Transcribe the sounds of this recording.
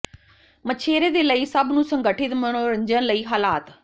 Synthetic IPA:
mət͡ʃʰeːɾeːd̪eːləiːsəbnũːsəŋɡəʈʰɪt̪mənoːɾəɲd͡ʒənləiːɦaːlaːt̪

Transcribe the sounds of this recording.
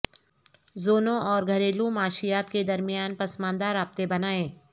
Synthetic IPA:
zoːnõʔɔːɾɡʱɐɾeːlũmaːʃɪjaːt̪ked̪ɐɾmɪjaːnpɐsmãːnd̪aɾaːb̚t̪ebɐnaːẽː

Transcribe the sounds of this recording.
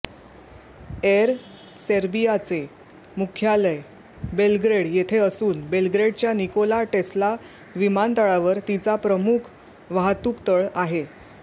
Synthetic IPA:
eɾ | seɾbijat͡se | mukʰjaləj | belɡɾeɽjet̪ʰeəsuːnbelɡɾeɽt͡ɕjanikolaʈesla | ʋimant̪əɭaʋəɾt̪it͡sapɾəmukʰ | ʋaɦt̪ukt̪əɭaɦe

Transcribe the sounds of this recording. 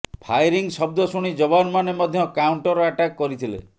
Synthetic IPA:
pʰajɾiŋsɔb̚d̪ɔsuɽ̃id͡ʒɔbanmanemɔd̪ʱjɔkawɳʈɔɾɔaʈakkːɔɾit̪ʰilḛ

